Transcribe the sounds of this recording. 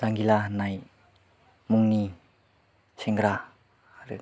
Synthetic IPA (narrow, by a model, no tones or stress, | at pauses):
zaŋɡilanaj | muŋni | seŋɡɾa | ɾɯ̰